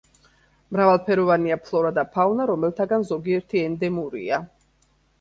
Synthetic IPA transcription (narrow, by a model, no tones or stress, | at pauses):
mɾavalˠpʰɛɾɔvaniapʰlˠɔɾad̪apʰawnaɾɔmɛlˠt̪ʰaɡanzɔɡiɛɾt̪ʰiɛnd̪ɛmuɾḭa